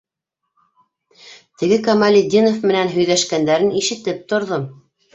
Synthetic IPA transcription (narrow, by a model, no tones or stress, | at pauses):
t̪ɘ̆ɡɘkɐmalʲɪd̪ʲinofmɘ̆nænɦɵ̆jðæʃkænd̪æɾɘniʃɘ̆t̪ɘp̚t̪ŏɾðom